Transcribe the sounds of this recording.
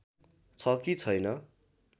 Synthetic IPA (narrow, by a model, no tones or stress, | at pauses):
t͡sʰʌkit͡sʰʌjnʌ